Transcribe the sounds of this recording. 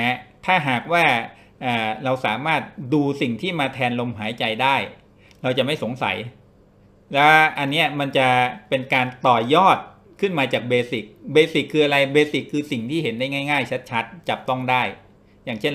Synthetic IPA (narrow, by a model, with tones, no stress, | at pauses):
t̪ʰaː˥˩ɦaː˨˩k̚waː˥˩ | ʔaː˨˩ɾa˧wsaː˩˦maː˥˩t̪̚duː˧si˨˩ŋt̪ʰiː˥˩maː˧t̪ʰɛː˧nlo˧mɦaː˩˦jt͡ɕa˧jdaː˥˩j | ɾa˧wt͡ɕa˨˩ma˥˩jso˩˦ŋsa̰˩˦j | lɛː˦˥ʔa˧nːi˦˥ɐma˧nt͡ɕa˨˩pe˧nkaː˧nt̪ɔː˨˩jɔː˥˩t̪̚ | kʰɯ˥˩nmaː˧t͡ɕaː˨˩k̚beː˧si˨˩k̚beː˧si˨˩kʰːɯː˧ʔa˧ɾa˧jbeː˧si˨˩kʰːɯː˧si˨˩ŋt̪ʰiː˥˩ɦe˩˦nda˥˩jŋa˥˩jŋaː˥˩jt͡ɕʰa˦˥t̪̚t͡ɕʰa˦˥t̪̚t͡ɕa˨˩p̚t̪ɔ˥˩ŋdaː˥˩j | jaː˨˩ŋt͡ɕʰe˥˩n